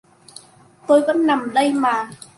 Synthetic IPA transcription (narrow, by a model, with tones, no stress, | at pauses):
t̪o˧jvɔ̰˧˥na˨˩mɗə˧jmaː˨˩